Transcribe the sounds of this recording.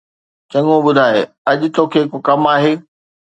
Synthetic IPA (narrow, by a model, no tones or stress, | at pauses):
t͡ɕɐ̃ŋõɓʊd̪ʱaːe | ɐʄʊt̪oːkʰeːkokɐmaːɦeː